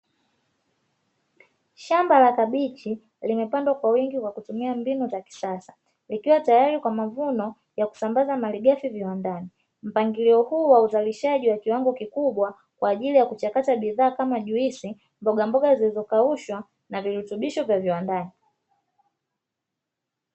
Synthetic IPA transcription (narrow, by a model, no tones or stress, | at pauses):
ʃambalakaɓit͡ʃi | limɛpandwakwawiŋɡikwakutumiambinɔt͡ʃaki̥sasḁ | likiwatajaɾikwamavunɔ | jaku̥sambazamaliɡafiviwandani | m̩paŋɡiliɔhuːwauzaliʃaʄiwakiwaŋɡɔkikuɓwa | kwaːʄilijakut͡ʃakataɓiðaːkamaʄuisi | mbɔɡambɔɠazilizɔkauʃwa | naviɾutuɓiʃɔvjaviwandani